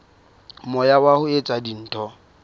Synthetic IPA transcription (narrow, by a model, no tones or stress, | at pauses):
mʊjawahʊet͡sʼadin̩ːtʰʼɔ